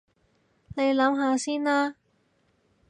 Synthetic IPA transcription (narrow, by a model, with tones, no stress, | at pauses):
ne˨˧jlɐ˨˥mɦaː˧siː˥nlaː˥